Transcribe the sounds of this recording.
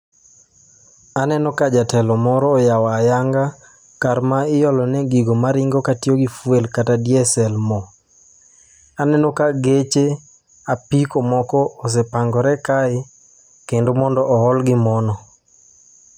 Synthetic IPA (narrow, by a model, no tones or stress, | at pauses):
anɛnɔkad͡ʒatɛlɔmɔɾɔːjawajaŋɡa | kaɾmaɪjɔlɔnɛɡiɡomaɾɪŋɡokatioɡifwelkatadjɛsɛlmɔ | anɛnɔkaɡet͡ʃe | apikomɔkɔːs̬epaŋɡɔɾɛkaɪ | kendomɔndɔʔːɦɔlɡɪmɔnɔ